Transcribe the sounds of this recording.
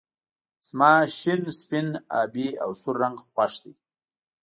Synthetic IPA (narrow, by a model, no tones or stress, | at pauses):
z̥mɑːʃɪnspɪna̰ːbia̰wsʊɾːaŋɡxwaʂd̪i